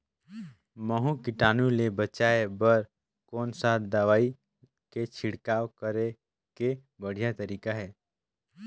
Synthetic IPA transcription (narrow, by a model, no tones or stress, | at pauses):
məɦũkɪʈaːnulebət͡ʃaːebəɾ | kɔːnsad̪əʋaːi | ket͡ʃʰɪɽkaːwkəɾe | ke | bəɽ̤ijat̪əɾiːkaɦɛː